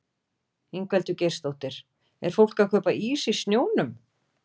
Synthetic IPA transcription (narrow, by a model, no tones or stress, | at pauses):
eŋkvɛlt̪ʏcejr̥st̪owht̪ɪɾ̥ | ɛ̰ɾ̥fowl̥kakʰœːpaiːsi̥st̪njoːwnʏm